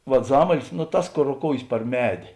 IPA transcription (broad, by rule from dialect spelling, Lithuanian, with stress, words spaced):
ʋɐt ˈzɑːmɐlʲɪs nʊ ˈtɐs ˈkoːr roːˈkoːʊjeːs pɐr ˈmʲæːdʲeː